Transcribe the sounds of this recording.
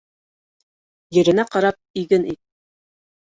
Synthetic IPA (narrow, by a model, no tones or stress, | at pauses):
jɘ̆ɾɘ̆næqɑɾɑp̚iɡɘnit̪̚